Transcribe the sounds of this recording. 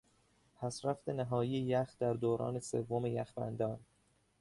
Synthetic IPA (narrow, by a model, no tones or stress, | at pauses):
pʰæsɾæft̪e̞næɦɒːjijejæxd̪æɾd̪oːɾɒ̰ːne̞sḛvːo̞me̞jæxbæ̰nd̪ɒːn